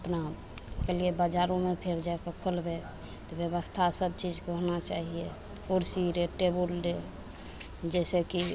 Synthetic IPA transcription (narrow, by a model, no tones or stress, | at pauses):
əpna | keliebəd͡ʒaɾõmepʰeɾd͡ʒaekekʰolbe | t̪ɔbjəβəst̪ʰasəbt͡ʃid͡ʒkeɦonat͡ʃaɦie | oɾsiɾeʈebulɖe | d͡ʒɛseki